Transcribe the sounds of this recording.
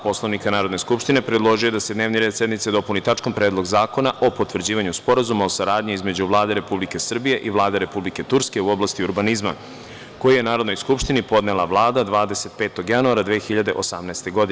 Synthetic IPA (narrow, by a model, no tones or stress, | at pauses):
po̞slˠoʋnikanaːɾo̞d̪ne̞skupʃt̪ine̞pɾed̪lˠo̞ʒuje̞d̪ased̪ne̞ːʋniɾed̪sje̞d̪nmit̪sed̪o̞punit̪at͡ʃkompɾeːd̪lˠo̞ɡzaːko̞naʔo̞po̞t̪ʋr̩d͡ʑiːʋaɲuspo̞ɾazumao̞saɾaːd̪ɲiizme̞d͡ʑuʋlˠaːd̪e̞ɾe̞publike̞sr̩bije̞ʔiʋlˠaːd̪eɾe̞publike̞t̪uɾske̞uo̞blast̪iuɾbanizma̰ | ko̞jijenaːɾo̞d̪no̞jskupʃt̪inipo̞d̪nelˠaʋlˠaːd̪ad̪ʋaːd̪e̞se̞t̪̚pe̞ːt̪o̞ɡjanuaɾad̪ʋeːxiʎad̪e̞ʔo̞samnaest̪e̞ɡo̞d̪ine